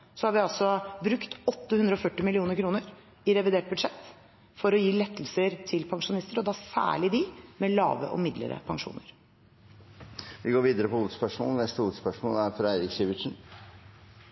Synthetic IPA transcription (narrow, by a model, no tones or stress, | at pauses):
sɔhɑɾʋɪɑlsɔbɾʉkt̪ɔt̪ːəhʉnd̪ɾəɔfœʈːɪmɪlɪuːnəɾkʰɾuːnəɾ | ɪɾɛʋɪd̪eːʈ̚bʉd̪ʂɛt̪ː | fɔɾɔjiːlɛt̪ʰːəl̩səɾt̪ʰɪlpʰɑŋʂʊnɪst̪əɾɔd̪ɑːsæ̰ːɭɪd̪ɪmɛlɑ̰ːʋə̰ʔɔ̰mɪd̪lə̰ɾə̰pʰɑŋʂṵːnə̰ɾ | ʋɪɡoːɾʋiːd̪əɾəpʰɔuːʋəd̪spœʂmo̰ːlənɛst̪əuːʋəd̪spœʂmo̰ːlæɾfɾɑæɪɾɪksiːʋɪʂn̩